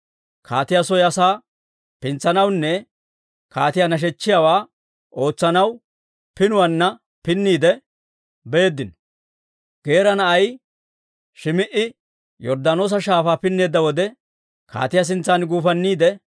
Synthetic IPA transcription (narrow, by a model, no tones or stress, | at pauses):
kʰa̰ːt̪ɪjasɔjɐsaː | pɪnt͡sːɐnɐwnːɛ | kaːt̪ɪjanɐʃ̬ɛt͡ʃːɪjawaː | ʔo̞ːt͡sːɐnɐw | pɪnʊwɐnːɐ | pɪnːiːd̪ɛ | be̞ːd̪ːɪnɔ | ɡ̥e̞ːɾɐnɐʔɐj | ʃɪmɪʔɪ | jɔɾd̪ano̞ːs̬ɐʃaːfaːpɪnːe̞ːd̪ːɐwɔd̪ɛ | ka̰ːt̪ɪjɐs̬ɪnt͡sːanɡuːfɐnːiːd̪ɛ